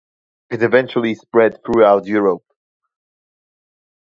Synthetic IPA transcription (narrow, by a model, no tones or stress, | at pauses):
ɪtɪvɛ̃nt͡ʃuəl̩ˠispɹɛd̪̚θɹuaʊtjɔːɹəp̚